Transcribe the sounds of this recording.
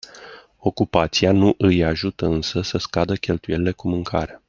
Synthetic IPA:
o̞kupat̪sianuʔɨjaʒut̪əɨnsəsəskad̪əkʲe̞lt̪uje̞lile̞kumɨŋkʰa̰ɾea

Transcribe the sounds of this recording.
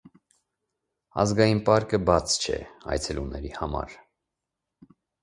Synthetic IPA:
ɑzɡɑjinpɑɾkəbɑt͡sʰt͡ʃʰɛ̰ɑ̰jt͡sʰɛlunɛɾihɑmɑ̰ɾ

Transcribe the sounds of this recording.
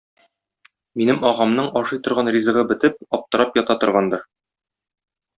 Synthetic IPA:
minɘmɒʁɑmnɤɴɒʃɤjt̪ŏɾʁɑnrʲizɤ̆ʁɤbɘ̆t̪ɘp̚ɒp̚t̪ɤ̆ɾɑpjɒt̪ɑt̪ŏɾʁɑnd̪ɤɾ

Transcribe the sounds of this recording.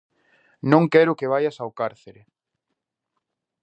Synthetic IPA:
nõŋkɛɾʊkeβ̞ajasawkaɾθeɾe

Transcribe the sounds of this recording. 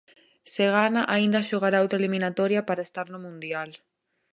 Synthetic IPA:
seɣ̞anaʔaind̪aʃoɣ̞aɾaawt̪ɾaliminat̪oɾjapaɾaest̪aɾnomũnd̪jal

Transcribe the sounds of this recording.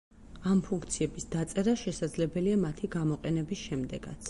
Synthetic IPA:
ampʰuŋkʰt̪sʰiɛbisd̪at̪sʼɛɾaʃɛsad̪zlɛbɛliamat̪ʰiɡamɔqʼɛnɛbisʃɛmd̪ɛɡ̥a̰t̪sʰ

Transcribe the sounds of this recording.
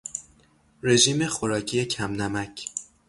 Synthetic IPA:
ɾe̞ʒiːme̞xoɾɒːcʰijecʰæmnæmæcʰ

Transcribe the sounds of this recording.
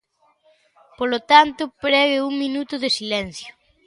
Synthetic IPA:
polot̪ant̪ʊpɾɛɣɪuŋminut̪ʊðesilɛn̟θjʊ̥

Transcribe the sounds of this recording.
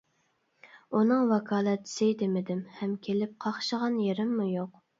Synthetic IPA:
unɨŋwɑkʰɑːlˠɛt̪ʰɪ̥sɪd̪emɪd̪ɪmhɛmkʲʰelɪp̚qʰɑχʃəʁɑnjeɾɪmːujoq̚

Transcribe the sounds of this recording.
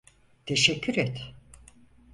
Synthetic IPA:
t̪ʰeʃɛcʰːyɾɛt̪

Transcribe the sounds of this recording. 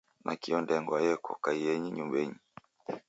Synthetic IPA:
nʔa̰kiɔndɛŋɡwajɛkɔ̰kaijɛɲiɲumbɛɲi

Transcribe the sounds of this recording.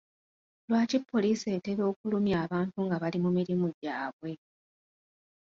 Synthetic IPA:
lwaːcipːo̞liːse̞ːte̞βo̞ːkulumjaːβaːntuŋɡaβalimumiɾimuɟaːβwe̞

